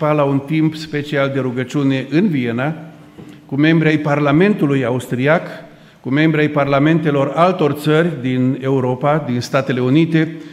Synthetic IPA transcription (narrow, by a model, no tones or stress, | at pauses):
palaunt̪impspe̞t͡ʃiald̪e̞ɾuɡət͡ʃune̞ʔɨnvie̞na | kume̞mbɾʲiajparlame̞nt̪ulujaust̪ɾiak | kume̞mbɾiajparlame̞nt̪e̞lo̞ralt̪o̞rt̪sərʲd̪ine̞uɾo̞pad̪inst̪at̪e̞le̞unit̪e̞